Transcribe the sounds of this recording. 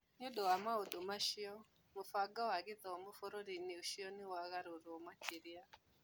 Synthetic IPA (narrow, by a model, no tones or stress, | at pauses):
ɲoɗɔwamauɗumaʃiɔ | mufaɡawaɣɪtɔmufoɾoɾiniuʃiɔniwaɣaɾuɾɔmat͡ʃiɾia